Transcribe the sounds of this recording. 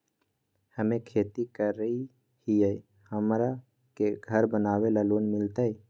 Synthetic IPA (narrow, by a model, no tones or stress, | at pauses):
həmẽkʰeːt̪ikəɾːəi | hijəi | həmɾa | keɡʱəɾbənaːwelaloːnmɪlt̪ai